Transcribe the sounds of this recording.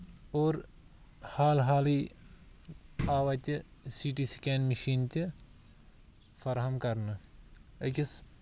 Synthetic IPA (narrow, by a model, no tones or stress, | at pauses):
oːɾ | haːlɦaːliː | aːʋɐt̪ʲisiːʈiːsi̥kʲeːnmiʃiːnt̪ʲi | fʰɐɾɦɐmkɐɾnɨɐkʲis